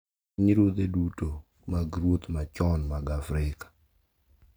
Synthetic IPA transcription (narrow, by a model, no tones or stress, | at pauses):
ɲiɾwod̪eduto | maɡɾwot̪mat͡ʃɔnmaɡafɾɪkḁ